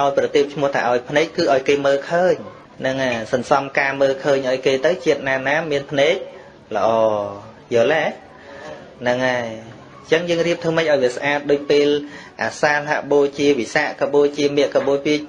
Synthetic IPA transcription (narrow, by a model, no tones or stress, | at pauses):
ʔaɔjprɑt̪eəp̚t͡ɕʰmʊ̆əht̪ʰa̰ʔaɔjpʰnɛːk̚kɨːʔaɔjkeːməːlkʰəːɲ | nɨŋʔasɑnsɑmkaːməːlkʰəːɲʔaɔjkeːt̪ɨwt͡ɕiət̪̚naːnaːmiənpʰnɛːk̚ | lə̆ʔɑː | jəːlɛ | nɨŋaj | t͡ɕəŋjəːŋriəp̚t̪ʰuːmɨc̚ʔaɔjʋiəsʔaːt̪̚ɗoːc̚peːlʔaːsaːlaʔɓoːt͡ɕiəʋisaːʔkəɓoːjt͡ɕiəmɛ̆əʔkəɓoːjpiəc̚